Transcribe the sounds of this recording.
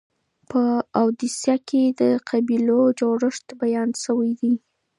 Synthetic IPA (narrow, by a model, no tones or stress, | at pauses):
pəawd̪isjɑked̪əqabilod͡ʒoɽɪʂt̪bajɑnʃəwajd̪i